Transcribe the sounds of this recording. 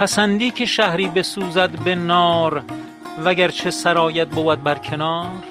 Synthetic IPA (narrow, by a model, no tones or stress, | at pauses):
pʰæsænd̪iːkʲʰeʃæhɾiːbesuːzæd̪benɒːɾ | væɡæɾt͡ʃʰe̞sæɾɒːjæt̪̚boːbæd̪̚bæɾkʲʰe̞nɒːɾ